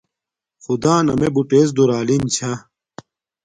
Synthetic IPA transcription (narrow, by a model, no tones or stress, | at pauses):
xud̪aːnɐmebuʈeːs̬d̪uɾaːlint͡ɕʰa